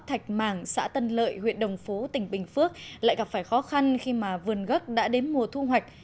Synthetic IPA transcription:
t̪ʰa˨˩jk̚maː˧˩ŋsa̰ː˧˥t̪ə˧nlə̰ː˧˨jhwḭ˧˨ənɗə˨˩wŋ͡mfo˨˦t̪ï˧˩ŋ̟ɓï˨˩ŋ̟fɨ˦˥ək̚la̰ː˧˨jɣa˨˩p̚faː˧˩jxɔ˨˦xa˧nxi˧maː˨˩vɨ˨˩ənɣə˦˥k̚ɗa̰ː˧˥ɗe˨˦nmu˨˩ət̪ʰu˧ɦwa˨˩jk̚

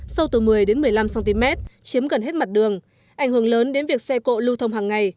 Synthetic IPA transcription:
sa˧wt̪ɨː˨˩mɨ˨˩əjɗe˨˦nmɨ˨˩əjla˧msa˧nt̪i˧mɛ˦˥t̚t͡ɕi˨˦əmɣə˨˩nhe˦˥t̚ma˨˩t̚ɗɨ˨˩əŋ | ʔa˨˩jŋ̟hɨ˧˩əŋləː˨˦nɗe˨˦nvi˨˩ək̚sɛ˧ko̰˧˨lu˧t̪ʰə˧wŋ͡mɦaː˨˩ŋːa˨˩j

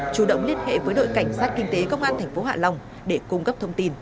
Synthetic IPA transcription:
t͡ɕu˧˩ɗə̰˧˨wŋ͡mli˧ənhḛ˧˨vəː˨˦jɗo̰˧˨jka˧˩jŋ̟saː˦˥t̚kï˧ŋ̟t̪e˨˦kə˧wŋ͡mʔaː˧nt̪ʰɛ˨˩jŋ̟fo˨˦ɦa̰ː˧˨la˧˩wŋ͡m | ɗe˧˩kʊ˧ŋ͡mkə˦˥p̚t̪ʰə˧wŋ͡mt̪i˧n

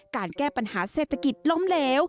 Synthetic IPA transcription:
kaː˧nkɛː˥˩pa˧nhaː˩˦seː˨˩t̪ʰa˧ki˨˩t̪̚lo˦˥mleː˦˥w

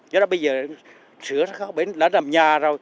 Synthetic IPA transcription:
ɲɔ˧˦laː˧˨˦ɓə˧jzəː˨˩˨ | sɨ˨˦əsa˧˦˥xɔ˨˦ɓe˨˦nlaː˨˦nlaː˨˩mɲaː˨˩zoː˨˩j

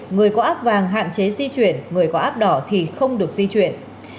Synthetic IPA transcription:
ŋɨ˨˩əjkɔ˨˦ʔaː˦˥p̚vaː˨˩ŋɦa̰ː˧˨nt͡ɕe˨˦zi˧t͡ɕwḭ˧˩ənŋɨ˨˩əjkɔ˨˦ʔaː˦˥p̚ɗɔ˨˦t̪ʰi˨˩xə˧wŋ͡mɗɨ˨˩ək̚zi˧t͡ɕwḭ˧˨ən

